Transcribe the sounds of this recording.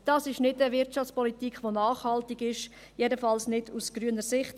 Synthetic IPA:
d̥ɑːsɪʃnɪdəvɪɾtt͡ʃɑft͡spɔlitiːkχʋonɑːχhɑltɪɡɪʃ | jɛdəfɑlsnɪdusɡ̥ɾyənəɾsɪχt

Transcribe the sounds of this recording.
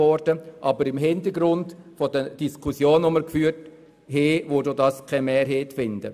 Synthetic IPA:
ɔɾd̥əʔɑbəɾɪmɦɪntəɾɡɾʊntfɔdəd̥iskʰusjoːnʊməɾkfyːrt | heːʋodoːdɑːskʰɛmɛːɾɦeːtfɪndə̰

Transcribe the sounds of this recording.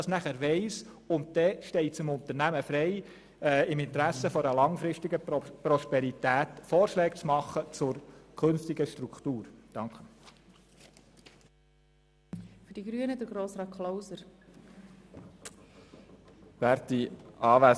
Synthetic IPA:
d̥ɑsnæχəɾʋɛɪs | ʊnt̚d̥̪ɛʃtɛɪt͡sɪmʊnt̪ənæməfɾɛɪ | ɪmɪnt̪əɾæsəfɔɾəlɑŋfɾɪstiɡəpɾɔʃpɛɾit̪æːtfɔːɾʃlɛːkt͡smɑχːət͡sʊɾkʰɵnftiɡəʃtɾukχt̪uːɾd̥ɑŋkχə | fyɾd̥iɡɾyənədəɾɡɾoːsɾɑːkʰlowsəɾ | b̥æɾtiɑːʋæ

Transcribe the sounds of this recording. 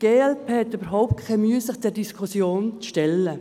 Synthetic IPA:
ɡ̥eːɛlpʰeːhɛt̪ːybəɾɦɔʊp̚t̚kʰɛmyːəsɪχtʰɛɾdiskʰusjoːnt͡sʃtɛlːə

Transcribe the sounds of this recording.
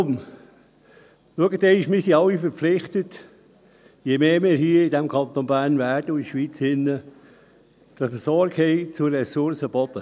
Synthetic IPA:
m | luəɡət̪eɪʃmisiɑlːifəɾflɪχt̪ət̪ | jemeːmiːɾhiəidɛmkʰɑnt̪onbæːrnvæːɾd̥əʊiʃʋiːt͡sɪnːə | d̥əfəsɔɾkhɛɪt͡sʊɛsʊɾsəb̥ɔt̪ə

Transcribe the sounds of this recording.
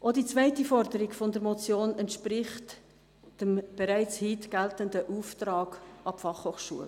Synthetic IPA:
ʔodit͡svæɪtifɔɾdəɾɪɡfɔndəɾmɔt͡sjoːnɛntʃprɪχt | d̥əmb̥ɛɾæɪt͡shiːtɡ̥æltəndəʔuːft̪rɑːɡ̥ɑpfɑχhoːχʃṵəl

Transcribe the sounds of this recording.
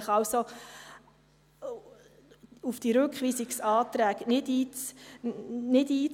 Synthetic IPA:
χɑwso | ufd̥iɾʉkχʋiːsiksɑːtɾæːknɪdiː | nɪdiːt͡s

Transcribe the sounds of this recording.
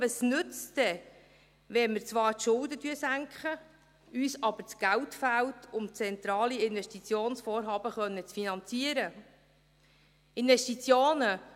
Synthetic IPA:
əsnɵt͡stɛ | ʋɛmɪɾt͡sʋɑːɾtʃʊldətyəsæŋkχə | yːsɑb̥əɾt͡sɡ̥æltfæltʰʊmt͡sɛnt̪ɾɑːliɪnvɛʃtit͡sjoːnsfɔːɾɦɑːb̥əχœnːət͡sfinɑnt͡siəɾə | ɪnvɛʃtit͡sjoːnə

